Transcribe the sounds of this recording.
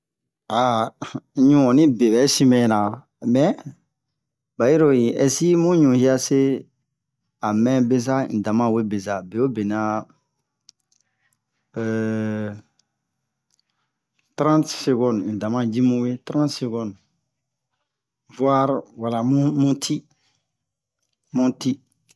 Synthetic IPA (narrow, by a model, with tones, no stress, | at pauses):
a˨˦ | ɲũ˦ɔ̃˨nĩ˦be˨bɛ˨˦sĩ˦mɛ̃˦˨nã˨ | mɛ˨ | ba˨ji˦ɾo˨ji˨ʔɛ˨si˦mũ˦ɲũ˨hi˦a˦se˦ | a˨mɛ̃˦be˦sa˦ni˨dã˨mã˦˨we˦be˨za˨be˨wo˦be˨nã˦˨ | tɾã˦tse˨ɡɔ̃˦n˨i˨dã˨mã˦d͡ʒi˦mũ˦we˦tɾã˦ntse˨ɡɔ̃˦n˨ | vwa˦ɾwa˨la˨mũ˦mũ˦tʰi˦ | mũ˦ti˦